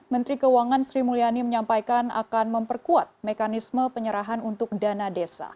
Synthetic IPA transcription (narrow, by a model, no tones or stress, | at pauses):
mənt̪ɾikəuaŋansɾimulianiməɲampajkana̰kanməmpərkuat̪̚mekanisməpəɲəɾaɦanunt̪ʊk̚danadesa̰